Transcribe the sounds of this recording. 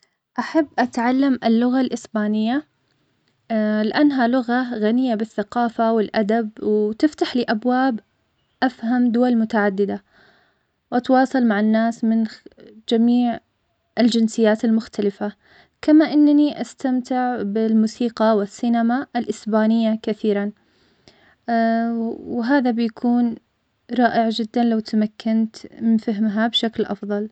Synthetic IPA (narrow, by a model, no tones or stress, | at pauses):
ʔaħabːʔat̪ʕalːamʔɪlːʊɣalʔɪsbaːnɪjːa | lɪʔanːɦalʊɣaɣanɪjːabɪθːaqɑːfawɪlʔad̪abwt̪ɪft̪aħliːʔabwaːb | ʔafhamd̪ʊwalmʊt̪aʕad̪ːɪd̪a | wʔat̪wɑːsˤɑlmaʕanːaːsmɪnd͡ʒamiːʕ | ɪld͡ʒɪnsɪjːaːt̪almʊxt̪ʰalɪfa | kamaʔɪnːaniʔast̪amt̪ɪʕbɪlmuːsiːqɑwɪsːinamaʔɪlʔɪsbaːnɪjːakaθiːɾan | wɦaːðabɪjakʰuːn | ɾˤɑːʔɪʕd͡ʒɪd̪ːanlawt̪amakːant̪mɪnfɪɦmɦabʃaklʔɑ̰fðˤɑl